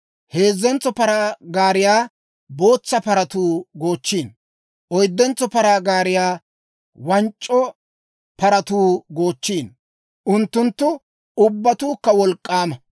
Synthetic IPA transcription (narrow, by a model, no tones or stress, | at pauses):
he̞ːzːɛnt͡sːɔpɐɾaːɡaːɾɪjaː | bo̞ːt͡sːɐpɐɾɐt̪uːɡo̞ːt͡ʃːiːn | ʔɔjd̪ːɛnt͡sːɔpɐɾaːɡaːɾɪjaː | wɐnt͡ʃʼːɔ | pɐɾɐt̪uːɡo̞ːt͡ʃːiːn | ʔʊnt̪ːʊnt̪ːʊ | ʊbːɐt̪uːkːɐwɔlkʼːaːmɐ